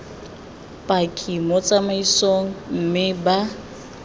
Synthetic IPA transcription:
pʼakʼimɔt͡sʼamaisoŋ̩m̩mɪba

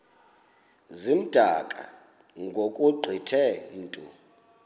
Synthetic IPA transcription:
zim̩d̥ʱakʼa̰ | ŋɡʱokʼuɡ͡ǃʱitʰɛntʼṵ

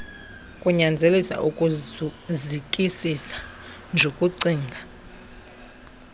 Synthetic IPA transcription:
kʼuɲand͡zʱelisa̰ʔukʼuzikʼisisḁ | nd͡ʒʱokʼuǀiːŋɡʱa

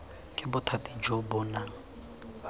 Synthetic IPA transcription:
kʼɪbʊtʰatʼid͡ʒobʊnaŋ̩

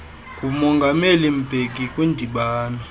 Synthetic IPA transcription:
kʼumɔŋɡʱamelim̩b̥ʱek̬ʼikʼwindʱiɓaːnɔ

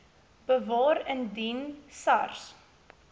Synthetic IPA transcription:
b̥əvɑːɾəndinsɐrs

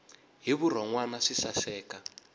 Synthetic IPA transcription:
ɦiβur̤ɔŋwanaʂisasɛːka

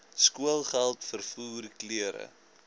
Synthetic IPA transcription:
skuəlˠχælˠtfərfuːrkliəɾə̰

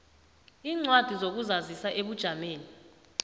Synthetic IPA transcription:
iːŋ͡ǀwad̥ʱizok̬uzazisaʔeɓud̥ʒ̥ʱameːni

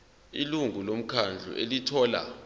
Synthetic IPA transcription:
iluŋʱulom̩kʰand͡ɮʱṵʔelitʰɔːla̰

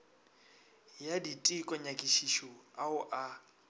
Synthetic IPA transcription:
jaditʼɪkʼɔɲakʼiʃiʃɔaʊʔa

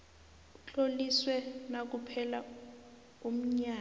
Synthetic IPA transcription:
ut͡ɬoliswɛnak̬upʰɛla | um̩ɲaː

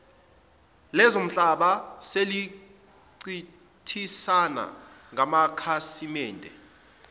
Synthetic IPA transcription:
lɛzom̩ɬʼaɓaseli | ǀi | tʰisana̰ŋʱamakʰasimɛːntʼɛ

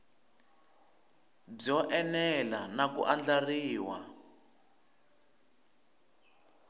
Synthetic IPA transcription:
b͡ʐɔʔɛnɛlanakṵʔand͡ɮariːwa

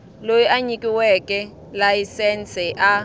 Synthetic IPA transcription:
lojiʔaɲikʼiwɛkʼɛ | lajisɛnt͡sɛʔa

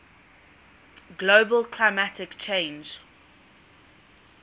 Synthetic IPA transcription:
ɡloːbəlkʰlaɪmatɪkt͡ʃʰẽɪ̃nd͡ʒ

